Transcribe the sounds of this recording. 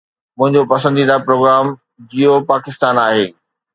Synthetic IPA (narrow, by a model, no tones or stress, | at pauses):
mʊ̃ɦɪ̃ɲd͡ʑopɐsə̃nd̪id̪apɾoːɡɾaːm | d͡ʑijopaːkɪst̪aːnaːɦeː